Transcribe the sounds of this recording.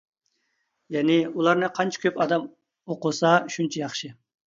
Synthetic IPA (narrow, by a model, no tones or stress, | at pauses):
jɛnɪulˠɑɾnɨqʰɑnt͡ʃʰɛ̥kʲʰøpɑd̪ɑm | oqʊsɑʃunt͡ʃʰɛjɑχʃɪ